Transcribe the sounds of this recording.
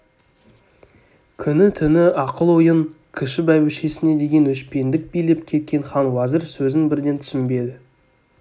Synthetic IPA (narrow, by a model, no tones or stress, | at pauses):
kʲʰʏnɪt̪ʰʏnɪɑqəlˠwojəɴ | kʲʰɪʃɪbæjbɪʃe̞sɪne̞d̪e̞ɡʲe̞nʏʃpe̞nd̪ɪk̚bijle̞p̚kʲʰe̞t̪̚kʲʰe̞ɴχɑnwɑzɪɾsɵzɪŋbɪɾd̪e̞nt̪ʰʏ̥sɪmbe̞d̪ɪ